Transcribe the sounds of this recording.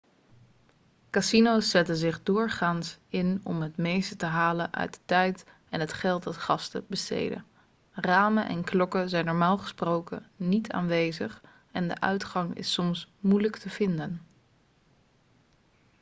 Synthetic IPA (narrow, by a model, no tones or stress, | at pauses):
kasinowsːɛtənzɪχdʊːɹχaːnsɪnɔmɦətmejstətəɦaːlənʔœ̰ɥdə̥tɛjt | ɛnɦətχɛlˠtdɑtχɑstə̰bəstḛjdə̰ | raːmənʔɛ̰nklɔkəzɛjnːɔɹmaːlˠχə̥sprowkə̰nitʰa̰ːnʋejzəχ | ɛndə̰ʔœ̰ɥtχɑŋɪ̰sɔmsmujləktəv̥ɪndən